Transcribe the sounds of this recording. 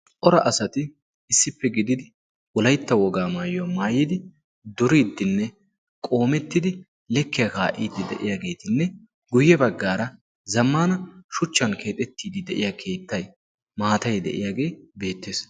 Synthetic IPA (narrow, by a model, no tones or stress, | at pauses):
ʔɔɾɐʔɐsɐt̪ɪ | ɪsːɪpːɛɡɪd̪ɪd̪ɪ | wɔlɐjt̪ːɐwɔɡaːmaːjʊɐmaːjɪd̪ɪ | d̪ɔɾiːd̪ːɪnːɛ | kʼo̞ːmɛt̪ːɪd̪ɪ | lɛkːɪjɐkaːʔiːd̪ːɪd̪ɛ̰ʔɪjaːɡe̞ːt̪ɪnːɛ | ɡʊjːɛbɐɡːaːɾɐ | zɐmːaːnɐʃʊt͡ʃːɐnkʰe̞ːt̪ʼɛt̪ːiːd̪ɪd̪ɛʔɪjakʰe̞ːt̪ːɐj | maːt̪ɐjd̪ɛ̰ʔɪ̰jaːɡe̞ːbe̞ːt̪ːe̞ːs